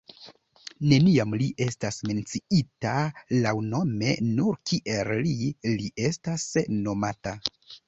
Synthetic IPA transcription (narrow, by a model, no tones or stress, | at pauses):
ne̞niamliʔe̞stasme̞nt͡siitalawno̞me̞nuɾkiʔe̞lliliʔe̞stasno̞mata